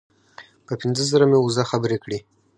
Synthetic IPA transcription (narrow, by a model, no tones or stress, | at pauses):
pəpɪnzəzəɾameuzaxabəɾekɽi